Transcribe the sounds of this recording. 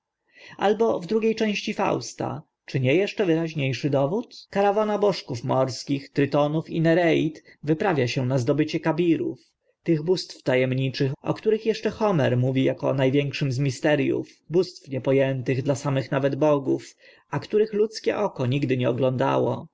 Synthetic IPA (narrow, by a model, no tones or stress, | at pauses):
ʔa̰lbɔvd̪ɾuɡʲejt͡ʂɛ̃w̃ɕt͡ɕifa̰wst̪a̰ | t͡ʂɘɲɛjɛʂt͡ʂɛvɘɾaʑɲejʂɘd̪ɔvut̪kaɾavɔnabɔʂkufmɔɾskʲixt̪ɾɘt̪ɔnufinɛɾɛit̪vɘpɾavʲjaɕɛnazd̪ɔbɘt͡ɕɛkabʲiɾṵf | t̪ɘɣbust̪ft̪ajɛmɲit͡ʂɘxɔ̰kt̪uɾɘxjɛʂt͡ʂɛxɔmɛɾmuvʲijakɔnajvʲjɛŋkʂɘmzmʲist̪ɛɾjṵfbust̪fɲɛpɔjɛnt̪ɘɣd̪lasamɘxnavɛd̪bɔɡuf | akt̪uɾɘxlut̪skʲɛ̰ʔɔkɔɲiɡd̪ɘɲɛɔɡlɔ̃nd̪a̰wɔ̰